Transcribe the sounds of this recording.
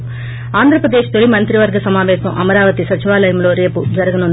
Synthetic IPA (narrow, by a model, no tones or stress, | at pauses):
aːnd̪ɪɾɐpɾɐd̪eːʃt̪ɔɭimɐnt̪ɾiʋɐɾɡɐsɐmaːʋeːsɐ̃ʔɐmɐɾaːʋɐt̪isɐt͡ʃːɐʋaːlɐjmloːɾeːpːud͡ʒɐɾɐɣɐnõn